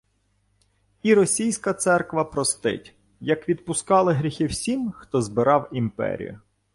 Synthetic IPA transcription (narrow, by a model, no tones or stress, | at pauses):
iɾɔsʲijsʲkɐt̪sɛrkʋɐpɾɔst̪ɪ̰tʲ | jɐkʋʲid̪̚pʊskɑlˠɪɦɾʲixɪwsʲimxt̪ɔzbɪɾɑwimpɛ̰ɾʲḭjʊ̰